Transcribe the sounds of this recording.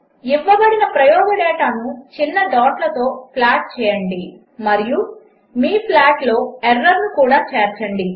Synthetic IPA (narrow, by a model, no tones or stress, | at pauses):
iʋːɐbɐɽinɐpɾɐjɔːɡɐɽɛːʈanut͡ʃinːɐd̪ɔːʈlɐt̪o̞ːpʰlaːʈ̚t͡ʃɛːjɐɳɖi | mɐɾiju | miːpʰlaːʈlo̞ːɛɾːɐɾnukuːɽaːt͡ʃeːɾt͡ʃɐɳɖi